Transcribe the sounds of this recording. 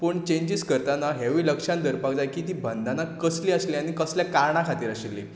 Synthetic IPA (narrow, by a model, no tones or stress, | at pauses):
pəːɳt͡ɕẽɲd͡ʑiskəɾt̪anaɦeʋiːləkʂãnd̪əɾpakd͡zajkiːt̪iːbʱənd̪ʱanakəsliəsliañikəsljakaɾɳakʰat̪iːɾaɕilːi